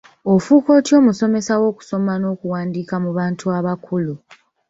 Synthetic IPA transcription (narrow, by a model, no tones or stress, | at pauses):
o̞fuːko̞ːtjo̞ːmuso̞me̞sawo̞ːku̥so̞mano̞ːkuwaːndiːkamuβaːntuaβakʰulu